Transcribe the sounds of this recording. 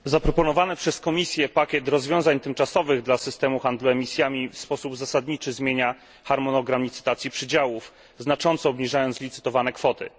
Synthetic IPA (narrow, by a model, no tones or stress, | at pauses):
zapɾɔpɔnɔvanɛpʂɛskɔmʲisʲjɛpakʲjɛt̪ɾɔzvʲjɔ̃w̃zaɲt̪ɘmt͡ʂasɔvɘɣd̪lasɘst̪ɛmuxand̪luɛmʲisʲjamʲifspɔsubzasad̪ɲit͡ʂɘzmʲjeɲa | xaɾmɔnɔɡɾamʲit̪sɘ̥t̪at̪sʲjipʂɘd͡ʑawuf | znat͡ʂɔnt̪sɔːbɲiʐajɔnslʲit̪sɘ̥t̪ɔvanɛkfɔt̪ɘ̰